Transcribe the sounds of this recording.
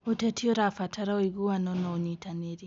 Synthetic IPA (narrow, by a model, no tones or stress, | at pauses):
otɛtʰiɔɾafatʰaɾaoiɣuanɔnaoɲitaneɾi